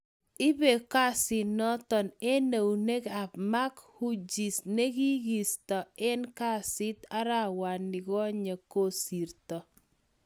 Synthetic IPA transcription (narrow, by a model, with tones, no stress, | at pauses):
ɪ˦be˨ka˦sɪ˨nɔ˦tɔ˨ne˦ne˨wne˦ka˨pma˦khu˦d͡ʒi˨sne˦ki˦ɡi˨stɔ˨ɛ˦nka˦˨sɪ˦t̪a˦ɾa˦˨wa˨nːɪ˨kɔ˦ɲe˨ko˦˨si˨ɾtɔ˨